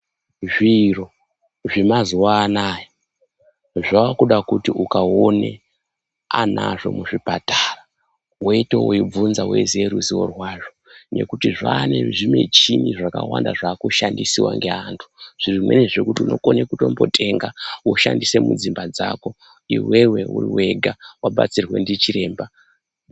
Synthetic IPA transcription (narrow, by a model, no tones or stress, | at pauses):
ʐiro̞ | ʐimazuwaːnaːjo | ʐaːkuɗakutiʔukaone | ana̰ʐo̞̰muʐipatara | woito̞oib͡vunzawe̞̰zeɾuziwo̰rwaʐone̞̰kutiʐaːneʐime̞̰t͡ʃiniʐaka̰wandaʐaːkuʃandisiwa̰ŋɡe̞antʰu̥ʐ̥irimwe̞̰neʐekutiuno̞konekuto̞mbo̞tʰe̞ŋɡawoʃandise̞mud͡zimbad͡zako̞ | ḭwe̞we̞ṵriwe̞ɡʱawaɓa̰t͡sirwe̞̰ndit͡ʃiɾe̞ːmba